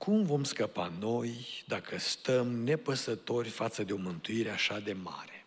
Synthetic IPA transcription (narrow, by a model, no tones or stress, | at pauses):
kʰumvo̞mskəpano̞jd̪akʰəst̪əmne̞pəsət̪o̞rʲfat̪səd̪e̞o̞mɨnt̪uiɾe̞aʃad̪e̞ma̰ɾe